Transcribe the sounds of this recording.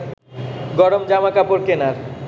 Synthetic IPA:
ɡɔɽomd͡ʑamakapoɾkenaɾ

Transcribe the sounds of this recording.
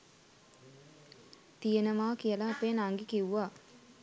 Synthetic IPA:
t̪ijenəmaːkijəlaːpeːnaŋɡikiwːaː

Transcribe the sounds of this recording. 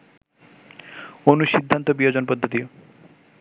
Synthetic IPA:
onuʃid̪ʱːant̪obiod͡ʑonpɔd̪ʱːot̪io

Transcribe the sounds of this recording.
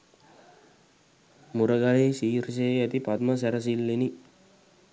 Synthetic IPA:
muɾəɡalesiːɾis̬eæt̪ipat̪məs̬æɾəs̬ilːeni

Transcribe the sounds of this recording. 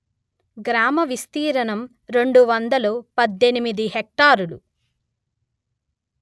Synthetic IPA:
ɡɾaːmɐʋist̪iːɾɐnɐm | ɾe̞ɳɖuʋɐnd̪ɐlupɐd̪ːe̞nimid̪iɦek̚ʈaːɾulṵ

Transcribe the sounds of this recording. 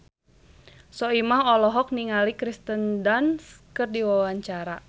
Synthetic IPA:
sɔimaɦɔlɔɦɔk̚niŋalikɾist̪əndanskərdiwawaɲt͡ʃaɾa

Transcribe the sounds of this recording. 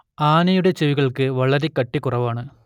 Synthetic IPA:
aːnɐjuɽet͡ɕeʋiɣɐɭkɨʋɐɭɐɾekːɐʈːikːʊrɐʋaːɳɨ

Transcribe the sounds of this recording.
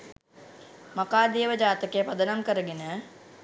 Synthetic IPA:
makaːd̪eːʋəd͡ʒaːt̪əkejəpɐd̪ənamkəɾəɡenə

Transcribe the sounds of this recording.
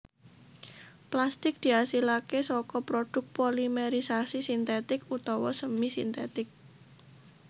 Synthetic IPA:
plast̪ɪk̚d̪̥i̤asilakesɔkɔpɾoɖ̪̥ʊ̤k̚polimeɾisasisint̪et̪ɪkut̪ɔwɔsəmisint̪et̪ɪk̚

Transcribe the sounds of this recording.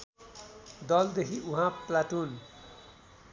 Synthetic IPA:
d̪ʌld̪ekʰiʔũɦãplaʈun

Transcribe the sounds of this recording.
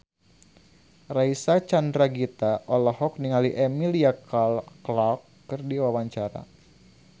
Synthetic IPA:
raisat͡ʃandɾaɡit̪aʔɔlahɔk̚niŋaliʔɛmiliakalklakːɨrdiwawaɲt͡ʃaɾa̰

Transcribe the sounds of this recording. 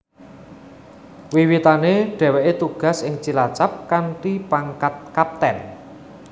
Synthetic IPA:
wiwit̪aneɖ̥ɛ̤weʔet̪uɡ̥a̤sɪŋt͡ʃilat͡ʃap̚kanʈ̪ipaŋkat̪̚kap̚t̪ɛn

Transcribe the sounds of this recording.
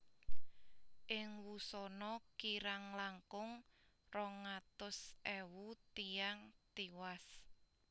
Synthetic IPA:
ʔɪŋwusɔnɔkiɾaŋlaŋkʊŋ | rɔŋat̪ʊsʔɛwut̪ijaŋt̪iwas

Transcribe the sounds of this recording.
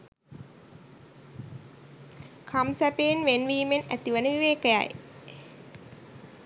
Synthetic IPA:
kʰamsæpenʋenʋiːmenæ̰t̪iʋənəʋiʋeːkəja̰j

